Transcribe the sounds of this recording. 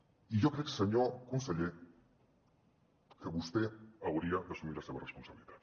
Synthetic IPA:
ijokɾeksaɲokunseʎe | keβust̪eawɾiabesumiɾasekoresponsaβilit̪ḁt̪

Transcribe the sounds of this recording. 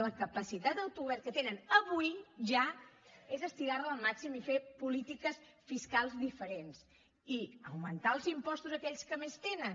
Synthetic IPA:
ləkəpəsit̪at̪d̪əwt̪uɣuβɛɾt̪̚kət̪enənəβujʒaezəst̪iɣaɾəəlˠmaksimifepulit̪ikəs | fiskalˠzðifəɾens | iəwmənt̪aəlˠzimpɔst̪uzəkɛʎskəmest̪enən

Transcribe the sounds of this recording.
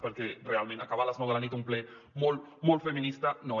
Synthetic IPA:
peɾkerealmẽnakaβalaznoɣlanit̪umple | molmolfemĩnist̪ano

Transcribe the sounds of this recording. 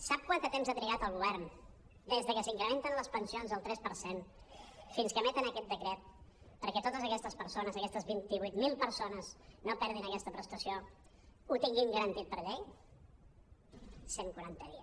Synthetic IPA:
sap̚kwant̪ət̪emzət̪ɾiɣat̪əlˠɣuβɛɾn | d̪ezðəkəsiŋkɾəment̪ənləspənsionzəlˠt̪ɾɛspəɾsen | finskəmɛt̪ənəkɛt̪̚d̪əkɾɛt̪̚ | pəɾkɛt̪ot̪əzəkɛst̪əspəɾsonəzəkɛst̪əzβint̪iβujt̪milˠpəɾsonəznopɛɾð̞inəkɛst̪əpɾəst̪əsio | ut̪iŋɡimɡəɾənt̪it̪̚pəɾʎej | seŋkwuɾant̪əðiə

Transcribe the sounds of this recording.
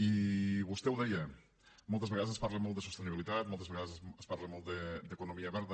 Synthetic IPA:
iβust̪ɛwðɛjə | mɔlˠt̪əzβəɣaðzəspaɾləmɔlˠt̪d̪əsust̪əniβilit̪at̪mɔlˠt̪əzβəɣaðzəspaɾləmɔlˠd̪əd̪əkunumiəβɛɾðə

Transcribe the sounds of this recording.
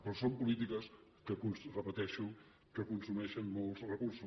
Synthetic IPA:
pɾɔsompulit̪ikəs | kəkunsrəpət̪ɛʃuŋ | kəkunsumɛʃənmolˠzrəkursu

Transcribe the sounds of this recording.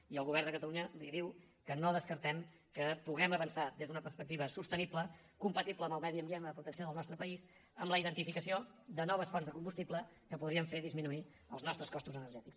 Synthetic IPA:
iəlˠɣuβɛrnd̪əkət̪əluɲəliðiw | kənoðəskəɾt̪ɛm | kəpuɣɛməβənsad̪ezðunəpəɾspək̚t̪iβəsust̪əniplə | kumpət̪ipləːmbəlˠmɛðiəmbienəðəpɾut̪əsioðəlˠnɔst̪ɾəpəis | əmləiðənt̪ifikəsiod̪ənɔβ̞əsfɔnzðəkumbust̪iplə | kəpuðɾiəɱfeðizminui | ə̰lˠznɔst̪ɾəskɔst̪uzənəɾʒɛt̪iks

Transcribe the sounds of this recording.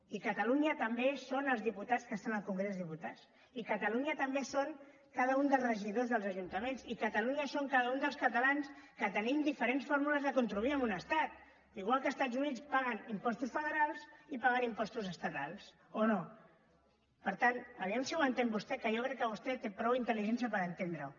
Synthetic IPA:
ikət̪əluɲət̪əmbesonəlˠzðiput̪at͡skəst̪anəlˠkuŋɡɾezðiput̪at͡s | ikət̪əluɲət̪əmbesoŋ | kaðəund̪əlˠzrəʒiðozðəlˠzəʒunt̪əmensikət̪əluɲəsoŋkaðəund̪əlˠskət̪əlanskət̪ənimd̪ifəɾensfoɾmuləzðəkunt̪ɾuðuiəmbunəst̪at̪̚ | iɣwalˠkəːst̪ad͡zunit͡spaɣ̞ənimpɔst̪usfəðəɾalˠsipaɣənimpɔst̪uzəst̪ət̪alˠs | ono | pəɾt̪anbəβiɛmsiwənt̪embust̪ɛkəjokɾɛkːəβust̪ɛt̪epɾɔwint̪əliʒɛnsiəpəɾənt̪end̪ɾəw

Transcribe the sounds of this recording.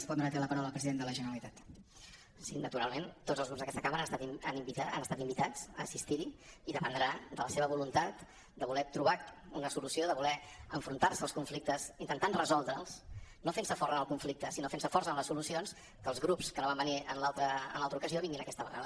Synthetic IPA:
spɔnd̪ɾat̪eləpəɾawləəpɾəziðend̪ələʒənəɾəlit̪at̪ | sinət̪uɾa̰lˠment̪od͡zzəlzɣɾupzðəkɛst̪əkaməɾaənəst̪at̪ianimbit̪aa̰nəst̪at̪imbit̪ad͡zə̰ːsist̪iɾiiðəpənd̪ɾad̪ələseβəβulunt̪at̪ | d̪əβulɛt̪ɾuβaunəsulusioðəβulɛəɱfɾunt̪arsəːlˠskuɱflik̚t̪əzint̪ənt̪anrəzɔlˠd̪ɾəlˠsnofensəfɔrənəlˠkuɱflik̚t̪əsinofensəfɔrsənləsulusions | kəːlzɣɾupskənoβambəniənlalˠt̪ɾə̰ːnlalˠt̪ɾukəzioβiŋɡinəkɛst̪əβəra̰lə

